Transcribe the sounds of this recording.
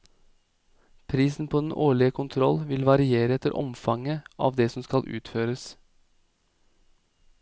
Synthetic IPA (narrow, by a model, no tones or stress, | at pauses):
pʰɾiːsn̩pʰoːd̪n̩ʔoːɭɪəkʰʊnt̪ʰɾɔlʋɪlʋɑɾɪeːɾəɛt̪əɾʔɔ̰mfɑŋəʔɑ̰ːʋd̪eːsɔmskɑlʔʉ̰ːt̪føːɾəs